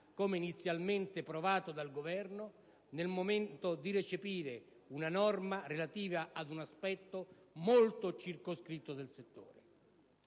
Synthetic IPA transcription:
koːmeinit̪sːjalment̪ɪpɾovaːt̪od̪alɡovɛrno | nelmoment̪od̪iret͡ʃepiːɾe | unanɔrmarelat̪iːvaʔad̪unaspɛt̪ːomolt̪ot͡ʃirkoskɾit̪ːod̪elset̪ːo̰ːɾe

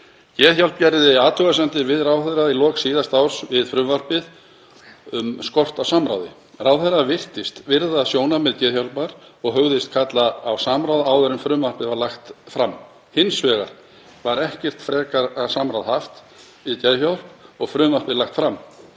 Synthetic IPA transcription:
c̪jɛːðçjawlp̚cɛɾðɪaːt̪ʰœɣasɛnt̪ɪɾvɪðrawθɛrailɔːksiːðast̪awɾ̥svɪðfɾʏmvar̥pɪð | ʏmskɔr̥t̪awsamɾa̰wðɪ̰ | rawθɛɾːavɪr̥t̪ɪst̪vɪɾðaːðsjoːwnamɛðt̪ɛːðçawlpaɾɔɣɦœɣðɪst̪̚kʰat̪laːwsamɾawðaːwðœɾʏmfɾʏmvar̥pɪðvaɾlaxt̪fɾamː | hɪnsvɛːɣaɾ̥ | vaɾɛhcɛr̥t̪fɾɛːkaɾasamɾawðhaft̪ | ɪðt̪jɛðçawl̥pɔɣfɾʏːmvar̥pɪðlaxt̪fɾamː

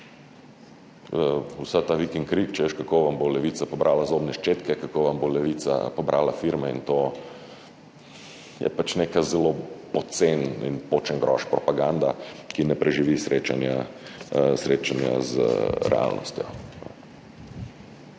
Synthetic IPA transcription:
əusat̪aʋikiŋkɾikt͡ʃɛʋeʃkakoʋambolɛʋiːt̪sapɔbɾʔaːlazobnɛʃt͡ʃeːt̪kɛkakoʋambolɛʋit̪sa̰pɔbɾʔaːlafiɾmɛint̪o | jɛ̰pat͡ʃnekazɛlopɔt̪senḭnpot͡ʃɛŋɡɾɔ̰ʃpɾɔpaɡand̪akinɛpɾɛʒiʋisɾʔeːt͡ʃa̰nja | sɾeːt͡ʃanja̰z̰ɾɛ̰a̰lnʔɔ̰st̪jɔ̰

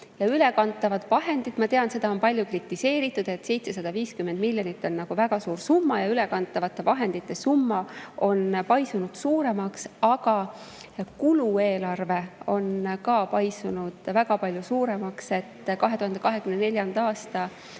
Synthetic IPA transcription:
jɑyle̞kɑnt̪ːˑɑvɑt̪vɑɦe̞nd̪̥it̪mɑt̪eɑnse̞d̪̥ɑonpɑlʲjukrit̪ːˑise̞ːɾit̪ːˑud̪̥e̞t̪se̞jt̪se̞sɑd̪̥ɑviːskymːend̪milʲjonit̪ːˑo̞nːɑɡ̥uvæɡ̥ɑsuːɾsumːɑjɑyle̞kɑnt̪ːˑɑvɑt̪ːˑe̞vɑɦe̞nd̪it̪ːˑesumːɑo̞npɑjsunud̪̥suːɾe̞mɑksɑɡ̥ɑ | kulue̞ːlɑrve̞o̞nkɑːpɑjsunud̪̥væɡɑpɑlʲjusuːɾe̞mɑkse̞t̪ːkɑɦet̪uhɑnd̪e̞kɑɦe̞kymnene̞lʲjɑnd̪ɑːst̪ɑ

